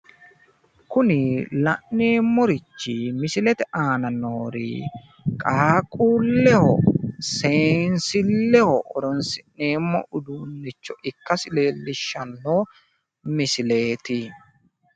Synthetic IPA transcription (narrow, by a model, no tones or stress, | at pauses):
kʊnɪlɐʔneːmːɔɾɪt͡ʃːɪmɪsɪlɛt̪ɛʔaːnɐnoːɾḭ | kʼaːkʼuːlːɛhɔ̰seːnsɪlːɛhɔʔɔɾɔnsɪʔneːmːɔ̰ʔʊd̪uːnːɪt͡ʃːɔʔɪkːɐsɪle̞ːlːɪʃːɐnːoː | mɪsɪle̞ːt̪ɪ